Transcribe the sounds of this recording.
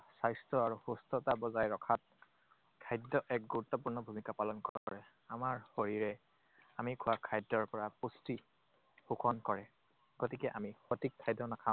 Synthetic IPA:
sajstɔaɹuxustɔtabɔzajɹɔkʰat̚ | kʰajdːɔʔɛk̚ɡuɹut̪ːɔpuɹnɔbʱumikapalɔnkɔakɔɹɛ | amaɹhoɹiɹɛ | amikʰʊwakʰajdːɔɹpɔɹapusti | xukʰɔnkɔɹɛ | ɡotikɛʔamixotikʰːajdɔnakʰã

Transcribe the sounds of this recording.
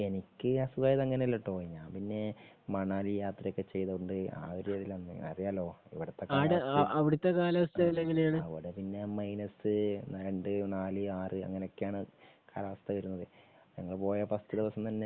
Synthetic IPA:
e̞nikʲːɨɐsuɡaːjðɐŋːɐneɐlːoʈːoːɲaːmpinːe̞mɐɳaːlijaːt̪rɐjokːet͡ɕːe̞jt̪ɐuɳɖɨa̰ːʋɐɾjɐðilɐnːɐ̰rijaːlo̞ːḭʋiɽɐt̪ːekaiɽeɐʋiɽɐt̪ːekaːlɐʋɐst̪ɐilːeŋɡiljaːɳɨɐʋḭɽepinːe̞mɐjnɐsɨɾeɳɖɨnaːlɨaːrɨɐ̰ŋːɐneokːjaːɳɨ | kaːlaʋɐst̪ɐʋɐɾunːɐðɨ | ɲɐŋːɐɭpo̞ːjɐpɐst̪ɐd̪iʋɐsɐmt̪ɐnːe

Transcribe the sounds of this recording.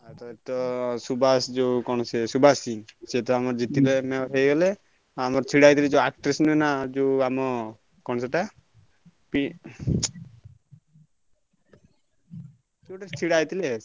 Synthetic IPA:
at̪ɔet̪ɔsubasd͡ʒekɔñɔsesubasiset̪ɔamɔɾd͡ʒit̪ilemeɦejɡɔle | amɔɾt͡ʃʰiɽajt̪ʰiled͡ʒeak̚ʈɾisnunad͡ʒewamɔ | kɔɳ̃seʈa | pi | suʈat͡ʃʰiɽajt̪ile

